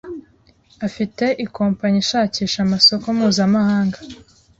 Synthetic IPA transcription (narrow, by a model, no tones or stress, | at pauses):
afite̞ʔikoːmpaɲiʃaːciːʃamaso̞komuːzamahaːŋɡa